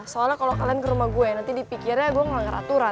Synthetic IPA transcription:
soalakalokalaankəɾumahɡuɛnant̪idipikirɲaɡuɛŋaŋəɾa̰t̪uɾa

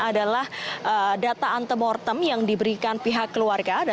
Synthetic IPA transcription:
adalahʔədat̪aʔant̪əmɔrt̪əmjaŋdibəɾikanpiɦakːəluarɡad

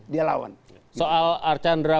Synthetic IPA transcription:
diala̰wa̰n | soalart͡ʃandɾa

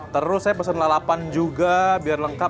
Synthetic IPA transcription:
t̪əɾʊssajapəsənlalapand͡ʒuɡabiarləŋka

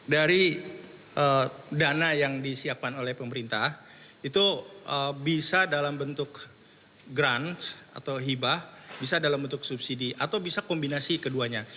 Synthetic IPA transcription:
daɾi | ədanajaŋdisiap̚kanolɛhpəməɾint̪ah | it̪uʔəbisadalambənt̪ʊk | ɡɾant̪a̰t̪awɦibabisadalambənt̪ʊksupsidiʔat̪awbisakombinasikəduaɲa

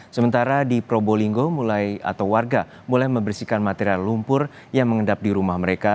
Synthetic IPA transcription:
səmənt̪aɾadipɾoboliŋɡomulaja̰t̪awwarɡa | mulajməmbərsikanmat̪eɾialːumpʊr | jaŋməŋədap̚diɾumahməɾeka

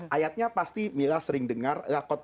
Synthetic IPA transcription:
ʔajat̪̚ɲapast̪imilahsəɾɪŋdəŋarlakɔt̪̚

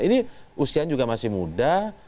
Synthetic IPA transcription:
iniʔusiand͡ʒuɡamasɪhmuda

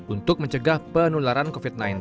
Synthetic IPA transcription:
unt̪ʊk̚məɲt͡ʃəɡahpənulaɾankofit̪̚najin

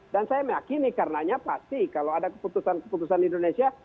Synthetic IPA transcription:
dansajaməjakinikarənaɲapast̪ikaloadakə̥put̪usankə̥put̪usanindonesia

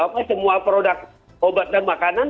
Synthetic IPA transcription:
apasəmuapɾodak̚ | obat̪̚danmakanan

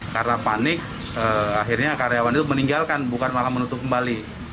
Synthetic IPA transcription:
karənapanɪk̚ | əaɦirɲakaɾeawanit̪uməniŋɡalkanbukanmalamənut̪ʊp̚kəmbali

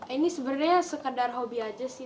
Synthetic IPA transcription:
inisbərdeɦasəkədarɦobiad͡ʒasi

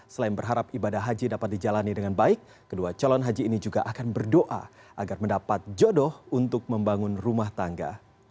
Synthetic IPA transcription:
səlaɪnbərɦaɾapibadahɦad͡ʒidapat̪̚did͡ʒalanidəŋanbaɪkːəduat͡ʃɔlɔnɦad͡ʒiːnid͡ʒuɡa̰ʔakanbərdoʔa̰ | ʔaɡarməndapat̪̚d͡ʒɔdɔhunt̪ʊk̚məmbaŋʊnrumaht̪aŋɡa̰

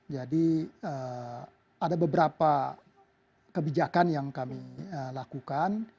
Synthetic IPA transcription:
d͡ʒadiə | adabəbəɾapa | kəbid͡ʒakanjaŋkamiəlakukan

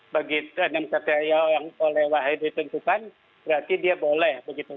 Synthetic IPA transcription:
baɡiənamkat̪eajawjaŋpolɛhwaɦajdit̪ənt̪ukan | b̥əɾart̪idiabolɛhbəɡit̪u

